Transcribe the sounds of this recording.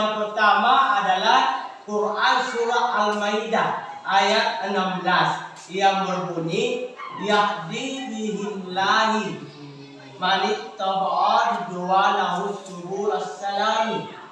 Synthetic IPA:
aŋpərt̪amaʔadalahkurʔansuɾaalmajdaʔajat̪̚ənamblas | jaŋbərbunijahdibiɦimlaɦi | manɪʔ̚t̪abaʔadidualaɦusuɾuasːalami

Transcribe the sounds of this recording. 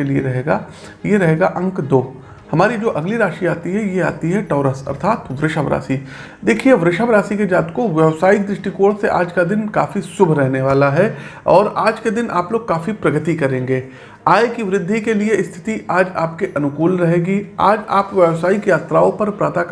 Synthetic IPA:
elieɾɐɦeːɡa̰ | jeɾɐɦeːɡaʔɐ̃ŋkd̪oː | hɐmaːɾid͡ʒoːʔɐɡliɾaːʃiaːt̪iɦɛjea̰ːt̪iɦɛʈɔːɾəsɐ̰ɾt̪ʰaːt̪ʋɾɪʃaʋɾa̰ːsi | d̪eːkʰieʋɾɪʃaʋɾaːsiked͡ʒaːt̪koʋjɛʋsaːid̪ɾɪʃʈikoːɾseʔaːd͡ʒkad̪ɪnkaːfisʊbʱɾɛɦneʋaːlaɦɛɔːɾaːd͡ʒked̪ɪnʔa̰ːploːɡ̚kaːfipɾɐɡət̪ikɐɾẽːŋɡeː | aːekiʋɾɪd̪ʱːikelieɪst̪ʰɪ̥t̪iaːd͡ʒaːpkeʔɐnʊkuːlɾɐɦeːɡia̰ːd͡ʒa̰ːpʋjɛʋsaːikjaːt̪ɾaõpɐɾpɾaːt̪ak

